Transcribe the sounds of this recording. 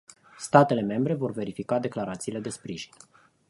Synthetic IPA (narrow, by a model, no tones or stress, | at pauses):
st̪at̪e̞le̞me̞mbɾe̞vo̞rve̞ɾifikad̪e̞klaɾat̪siːle̞d̪e̞spɾiʒin